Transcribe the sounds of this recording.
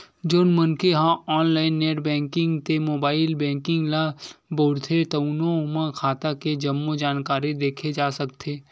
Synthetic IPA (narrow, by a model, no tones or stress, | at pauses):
d͡ʒoːnmənkeɦãɔːnlaːɪnːeːʈbɛ̃ːŋkɪ̃ŋɡt̪emoːbaːɪlbɛ̃ːŋkɪ̃ŋɡlaboːɽt̪ʰet̪ɐunõmãkʰaːt̪aked͡ʒɐmːod͡ʒaːnkaːɾid̪eːkʰed͡ʒaːsɐkt̪ʰeː